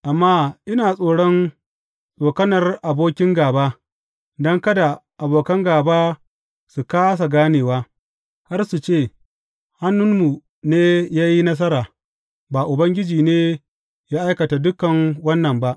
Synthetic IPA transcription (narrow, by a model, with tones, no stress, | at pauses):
ʔa˨mːaː˦ʔɪ˦naː˨sʼoː˨ɽɔ˦n | sʼoː˨kɐ˦nɐ˨rʔa˨boː˦kʲɪ˦ŋɡaː˨baː˦ | dɐ˦ŋkɐ˦da˨ʔa˨boː˨kɐ˦ŋɡaː˨baː˦ | su˨kaː˦s̬a˨ɡaː˦neː˨waː˦ | ha˦rsu˨t͡ʃeː˦˨ | ha˦nːʊ˦nmu˨ | neː˦jaː˦ji˦nɐ˦s̬ɐ˦ɾaː˨ | ba˨ʔʊ˨bɐ˦ŋɡʲɪ˦d͡ʒiː˨neː˦ | jaː˦ʔa˦jkɐ˨ta˨dʊ˦kɐ˨ŋwɐ˦nːɐ˨mba˦ʔ